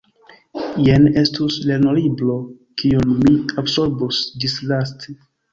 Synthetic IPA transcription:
jenestusleɾnoɾiblo | kionmiabsoɾbusdislastʰe

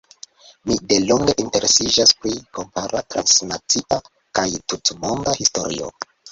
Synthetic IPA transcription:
mide̞loŋɡe̞ʔinte̞ɾe̞sid͡ʒaspɾiko̞mpaɾatɾa̰nsnat͡siʔa | kajtutmo̞ndahisto̞̰ɾḭo̞̰

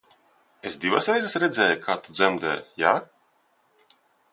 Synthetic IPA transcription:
esd̪ivasɾɛjzɛsɾɛd̪zʲɛːjkʰaːt̪ud̪zɛmd̪ɛ̰ːjaː

